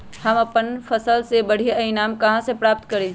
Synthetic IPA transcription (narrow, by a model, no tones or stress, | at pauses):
hɐmɐpənfʰɐsəlsebɐɽ̤ijɐinaːmkɐɦãsepɾaːp̚t̪kɐɾe